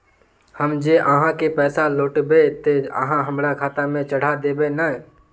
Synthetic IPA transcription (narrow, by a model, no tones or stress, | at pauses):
həmd͡ʒeːʔəɦãkepɛːsaloːʈbet̪eə̰ɦãɦəmɾakʰaːt̪amẽt͡ʃəɽ̤ad̪eːbenə